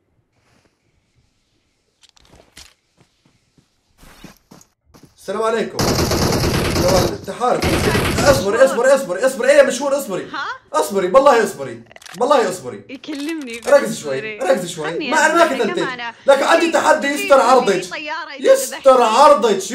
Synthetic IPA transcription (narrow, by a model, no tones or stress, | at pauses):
salaːmʕaleːkʊm | lawaːlɪt̪ːaħɑːɾʊfɪsiʔɑsˤbɑɾiʔɑsˤbɑɾiʔɑsˤbɑɾiʔɑsˤbɑɾiʔeːjamaʃhuːɾʔɑsˤbɑɾiʔɑsˤbɑɾiwɑlˤːɑːhiʔɑsˤbɑɾḭwɑlˤːɑːhiʔɑsˤbɾḭ | ʔɑɾˤɑkːɪzʃwajːaʔɑɾˤɑkːzʃwajːamaʕanamaːkɪt̪ant̪ɪk̪laːkɪnʕand̪it̪ːaħad̪ːijɪst̪ɑɾˤʕɑɾˤd̪ˤet̪jɪst̪ɑɾˤʕɑɾˤd̪ˤɨt̪